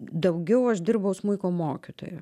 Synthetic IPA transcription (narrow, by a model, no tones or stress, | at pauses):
d̪ɐʊɡʲɛʊɐʃd̪ʲɪrbɐʊsmʊɪkoːmoːkʲɪt̪o̰ːjo